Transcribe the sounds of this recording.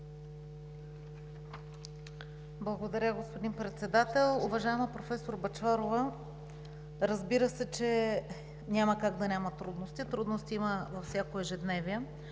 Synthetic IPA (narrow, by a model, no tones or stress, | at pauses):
blˠɐɡod̪ɐɾʲəɡospod̪inpɾɛt̪sɛd̪at̪ɛlˠʊvɐʒaɛməpɾofɛsoɾbɐt͡ʃvaɾovə | ɾəzbiɾəsɛt͡ʃɛ | nʲaməkaɡd̪ɐnʲamət̪ɾud̪nost̪it̪ɾud̪nost̪iiməvɐfsʲjakoɛʒɛd̪nɛviɛ